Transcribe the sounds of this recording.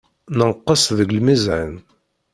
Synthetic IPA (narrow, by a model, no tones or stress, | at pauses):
nəʁqːəsðəɡlmizʕə̰n